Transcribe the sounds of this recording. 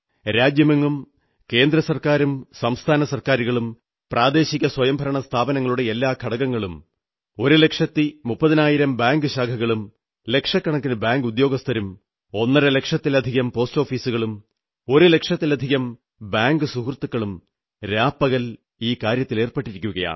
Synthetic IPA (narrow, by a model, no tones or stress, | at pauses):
ɾaːd͡ʑjɐmɐŋːum | ke̞ːnd̪ɾɐsɐrkaːɾumsɐmst̪ʰaːnɐsɐrkaːɾuɣɐɭum | prʔaːd̪e̞ːɕiɣʲːɐswɐjɐmbʱɐɾɐɳɐst̪ʰaːbɐnɐŋːɐɭuɽe̞elːaːkʰɐɽɐɣɐŋːɐɭum | o̞ɾule̞kʂɐt̪ːimupːɐðɐnaːjiɾɐmbaːŋɡɨɕaːkʰɐɣɐɭum | le̞kʂɐkːɐɳɐkːinɐbaːŋɡud̪jo̞ːɡɐst̪ʰɐɾum | o̞nːɐɾele̞kʂɐt̪ːilɐd̪ʱiɣɐmpo̞ːsto̞ːfiːsuɣɐɭum | o̞ɾule̞kʂɐt̪ːilɐd̪ʱiɣɐm | baːŋɡɨsuɦrt̪ːukːɐɭum | ɾaːpːɐɣɐl | iːkaːɾjɐt̪ːile̞ːrpɐʈːiɾikʲːuɣɐja̰ːɳ